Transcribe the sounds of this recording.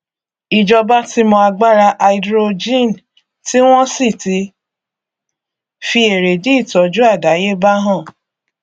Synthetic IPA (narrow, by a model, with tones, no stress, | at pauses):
i˨d͡ʒɔ˧ba˦ti˦mɔ̃˧a˧ɡ͡ba˦ɾa˧ʔa˧i˧dɾo˧d͡ʒĩ˦˨n˨ | ti˦w̃ɔ̃˦si˦˨ti˧˦ | fi˧e˨ɾe˨di˦i˦˨tɔ˨˦d͡ʒu˦a˦˨da˨˦je˦ba˦ɦã˦˨